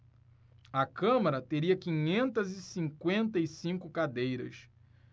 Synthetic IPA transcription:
ɐkɐ̃mɐɾɐt̪eɾiɐkĩɲẽnt̪ɐzɪsĩŋkwẽnt̪ɐisĩŋkʊkad̪ejɾɐ̰s

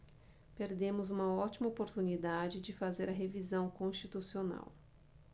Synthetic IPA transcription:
peɾd̪ẽmʊzũmɐɔt͡ʃimɐopoɾt̪unid̪ad͡ʒɪd͡ʒɪfazeɾɐɦevizɐ̃w̃kõst͡ʃit̪usiona̰w

